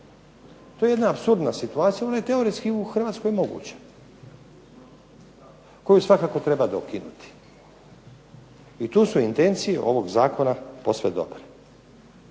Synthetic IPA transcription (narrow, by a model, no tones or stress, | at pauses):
t̪oje̞jed̪naːpsuɾd̪nasit̪uaːt̪sijao̞naje̞t̪e̞o̞ɾeskiuxr̩ʋaːt̪sko̞jmo̞ɡṵːt͡ɕḁ | ko̞jusʋakako̞t̪ɾe̞bad̪okinut̪i̥ | it̪uːsuint̪e̞nt̪sije̞ʔo̞ʋo̞ɡzaːko̞napo̞sʋed̪o̞̰bɾe